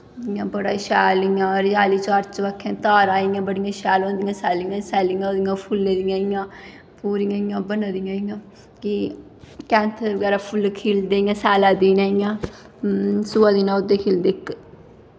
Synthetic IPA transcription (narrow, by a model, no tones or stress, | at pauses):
ɪjãːbəɽaːʃɛːlijãːɾɪjaːliːt͡ʃaːɾt͡ʃʋəkʰːẽːt̪aːɾaːijãːbəɽijãːʃɛːlõːnd̪ijãːsɛːlijãːsɛːliãːd̪ɪjãːpʰʊlːeːd̪ijãːjãː | puːɾijãijãːbənad̪ijãːijãː | ki | kɛːnt̪ʰəɾʋəɡɛːɾaːpʰʊlkʰiːld̪eijãːsɛːlaːd̪iːnaːijãː | suːãːd̪iːnãːʊd̪ːeːkʰeːld̪eːk